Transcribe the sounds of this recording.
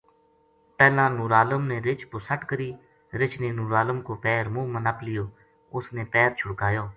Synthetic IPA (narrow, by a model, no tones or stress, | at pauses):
pɛːlãːnuːɾaːləmneːɾɪt͡ʃpʊsəʈkəɾiː | ɾɪt͡ʃʰneːnuːɾaːləmkoːpɛːɾmũːmənəplɪjoː | ʊsneːpɛːɾt͡ʃʰʊɽkaːjoː